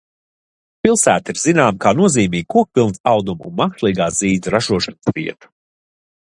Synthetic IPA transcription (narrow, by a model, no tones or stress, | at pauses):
pilˠsæːt̪iɾz̥inaːmkaːnuɔziːmiːɡ̚kuɔk̚pʲilˠnsawd̪umṵnmakʃlˠiːɡaːziːd̪zɾaʒuɔʃansviɛt̪u̥